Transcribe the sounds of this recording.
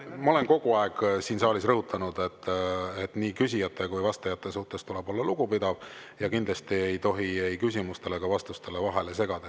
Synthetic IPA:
mɑo̞le̞nko̞ɡ̥uɑeɡ̥siːnsɑːlisrɤɦut̪ʰːˑɑnud̪̥e̞t̪ːet̪niːkysʲijɑt̪ʰːˑe̞kujvɑst̪ɑjɑt̪ːˑe̞suht̪e̞st̪ule̞b̥o̞lːɑluɡ̥upid̪̥ɑv | jɑkind̪lɑst̪ie̞jt̪o̞ɦiejkysʲimust̪e̞le̞ɡɑvɑst̪ust̪e̞le̞vɑɦe̞le̞se̞ɡ̥ɑd̪̥ɑ

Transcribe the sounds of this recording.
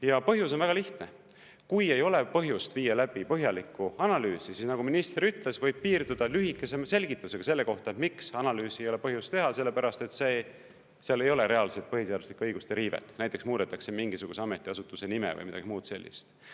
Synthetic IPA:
jɑpɤɦjus̬o̞nvæɡɑliht̪ne̞ | kuje̞jo̞le̞pɤɦjust̪viːɑlæb̥ipɤɦjɑlikːuɑnɑlyːsisisnɑɡ̥uminist̪ɾeɾyt̪le̞svɤ̞jb̥̚piːrd̪ud̪̥ɑlyɦikːˑe̞sese̞lʲɡ̥it̪ːˑuse̞ɡ̥ɑse̞lːe̞ko̞ht̪ɑet̪miksɑnɑlyːsiejo̞le̞pɤɦjust̪e̞ɦɑse̞lːe̞pæɾɑst̪e̞t̪seː | seɑlːe̞jo̞le̞ɾe̞ɑlset̪pɤɦit̪eɑd̪uslikːuɤjɡ̥ust̪eɾiːvḛt̪næjt̪ːˑeksmuːd̪̥et̪ːˑɑkse̞miŋɡ̥isuɡ̥useɑme̞t̪ːˑiɑsut̪ːˑuse̞nimḛvɤ̰jmid̪ɑ̰ɡ̥imuːt̪se̞lːḭst̪

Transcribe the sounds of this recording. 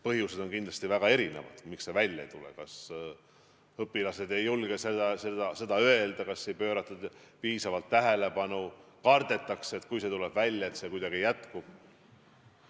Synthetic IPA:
pɤɦjuse̞d̪̥o̞nkind̪lɑst̪ivæɡ̥ɑe̞ɾine̞̰vɑ̰d̪̥miksːe̞vælʲːɑ̰ḛjt̪ulḛkɑs | ɤpːˑilɑse̞d̪e̞jːulɡ̥esed̪ɑsed̪ɑse̞d̪̥ɑøe̞ld̪ɑkɑsːe̞jpø̞ːɾɑt̪ːˑud̪̥piːsɑvɑlt̪ːæɦe̞le̞pɑnukɑrd̪̥e̞t̪ˑːɑkseet̪kujse̞t̪uleb̥vælʲːjɑe̞t̪se̞kujd̪ɑɡ̥ijæt̪kub̥̚

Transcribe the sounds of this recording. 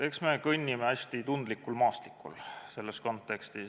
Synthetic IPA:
e̞ksme̞kɤnʲːimeæsʲt̪it̪und̪̥likːˑulmɑːst̪likːˑṵlse̞lːesko̞nt̪ːˑe̞kst̪i

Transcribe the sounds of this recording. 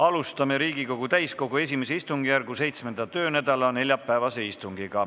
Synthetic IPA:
ɑlust̪ɑme̞ɾiːɡ̥iko̞ɡ̥ut̪æjsko̞ɡ̥ue̞s̬ʲimeseist̪uŋɡijærɡuse̞jt̪sme̞nd̪ɑt̪ø̞ːnæd̪̥ɑlɑne̞ljɑpːæːvɑse̞ist̪uŋɡ̥iɡ̥ɑ

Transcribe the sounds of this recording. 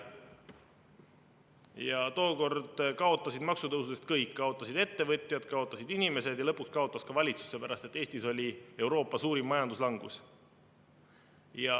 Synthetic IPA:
jɑt̪o̞ːko̞rd̪̥kɑo̞t̪ːˑɑsid̪̥mɑksut̪ɤwsuse̞st̪kɤjkːkɑo̞t̪ˑːɑsid̪̥e̞t̪ːe̞vɤt̪ʲˑjɑd̪̥kɑo̞t̪ˑːɑsid̪inime̞se̞d̪jɑlɤpːˑukskɑo̞t̪ˑːɑskɑvɑlʲit̪su̥se̞pæɾɑst̪et̪ːˑe̞ːsʲt̪iso̞lʲie̞wɾo̞ːpːˑɑsuːɾimːɑjɑnd̪uslɑŋɡ̥ṵs | jɑ

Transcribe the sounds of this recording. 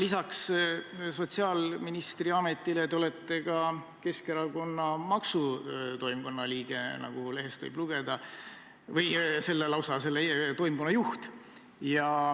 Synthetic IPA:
lisɑks | so̞t̪ʲsiɑlminist̪riɑme̞t̪ːˑilet̪eo̞let̪ːe̞ɡɑ | ke̞ske̞ɾɑko̞nːɑmɑksut̪o̞jmko̞nːɑliːɡ̥e̞nɑ̰ɡ̥ule̞ɦest̪vɯ̰jb̥luɡ̥e̞d̪̥ɑ | vɤjse̞lːelɑwsɑse̞lːet̪o̞jmko̞nːɑjuht̪ | jɑ

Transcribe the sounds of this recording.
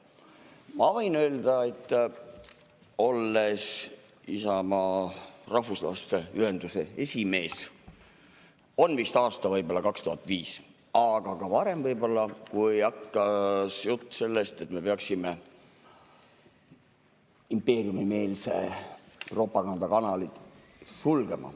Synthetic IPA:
mɑvɤ̞jnøːld̪ɑe̞t̪ː | o̞lːe̞s | isɑmɑrɑɦvuslɑ̰st̪eyhe̞nd̪use̞e̞sʲime̞ːs | o̞nvist̪ɑːst̪ɑvɤjbo̞lːɑkɑkst̪uɦɑt̪ːˑviːs | ɑɡ̥ɑkɑvɑɾe̞mvɤjbo̞lːɑkujɑkːɑsjut̪ˑːse̞lːest̪e̞t̪me̞peɑksime | impːe̞ːɾiumime̞ːlsḛ | ro̞ːpːˑɑkɑnd̪̥ɑkɑnɑlit̪ | sulɡ̥e̞mɑ̰

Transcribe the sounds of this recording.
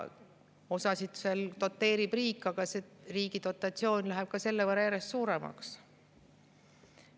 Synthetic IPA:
o̞sɑsid̪̥selt̪o̞t̪ːe̞ːɾib̥riːkːˑɑɡ̥ɑseriːɡ̥it̪o̞t̪ːˑɑt̪sio̞ːnʲlæɦɛb̥̚kɑse̞lːevərːɑjæɾe̞st̪suːɾemɑ̰ks

